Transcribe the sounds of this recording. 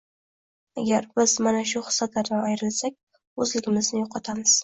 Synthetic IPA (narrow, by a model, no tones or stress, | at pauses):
aɡʲaɾbɪz̥manaʃʊχɨ̥sːat̪ʰaɾaajɾɪlsakʲ | ɵzlɪɡʲɪmɪznɪjoqʰɑt̪ʰamɪz̥